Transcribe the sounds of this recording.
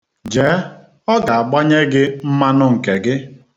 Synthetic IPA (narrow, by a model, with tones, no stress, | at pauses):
d͡ʒeː˨˦ | ɔ˦ɡa˨a˨ɡ͡ba˦ɲe˦ɡɪ˦m̩˦ma˦nʊ˦ŋ̩˨ke˨ɡɪ˦